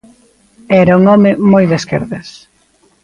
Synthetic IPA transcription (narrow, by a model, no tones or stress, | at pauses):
ɛɾɐuŋɔmɪmojðeskḛɾðes